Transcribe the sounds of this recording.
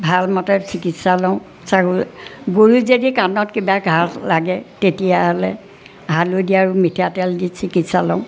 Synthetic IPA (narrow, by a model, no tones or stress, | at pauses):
bʱalmɔtɛsikitsalɔ̃ʊ̃ | sakuɡoɹuzedikanɔtkibaɡʱaɹlaɡɛtetijaɦɔlɛ | ɦalojdiaɹumitʰatɛldisikitsalɔ̃ʊ̃